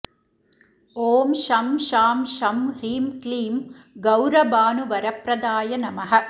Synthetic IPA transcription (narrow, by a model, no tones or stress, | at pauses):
oːmʃɐmʃaːmʃɐmɾiːmkliːm | ɡɐwɾɐbaːnuʋɐɾɐpɾɐd̪aːjɐnɐmɐɦɐ̆